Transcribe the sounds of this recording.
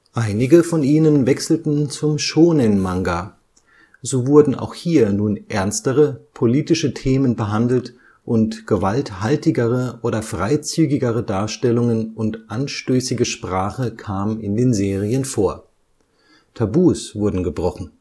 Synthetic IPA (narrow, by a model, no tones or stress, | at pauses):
ʔaɪnɪɡəfɔniːnənvɛksl̩tn̩t͡sʊmʃoːnɪnmaŋɡa | zoːvʊɐdn̩ʔa̰ʊxhiːɐnuːnʔɛɐnstəʁəpʰoliːtɪʃətʰeːmənbəɦandl̩t | ʔʊntɡ̥əvalthaltɪɡəʁ̞əʔoːdɐfʁ̥aɪt͡syːɡɪɡəʁ̞ədaːɐʃtɛlʊŋənʊntʔanʃtøːsɪɡəʃpʁ̥aːχəkʰaːmənɪndeːnzeːʁiənfoːɐ | tʰabuːsv̥ʊɐdn̩ɡəbʁɔχn̩